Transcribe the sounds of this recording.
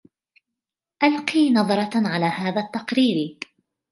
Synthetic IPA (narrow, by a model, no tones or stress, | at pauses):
ʔalqiːnɑðˤɑɾˤɑʕalaːhaːðat̪ːɑqɾiːɾ